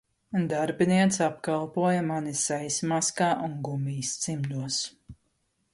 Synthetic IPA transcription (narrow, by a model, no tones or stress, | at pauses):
d̪aɾbʲiniɛt̪sap̚kalˠpuɔjɐmanisajsmaskaːʔuŋɡumiːst̪simʎʲuɔs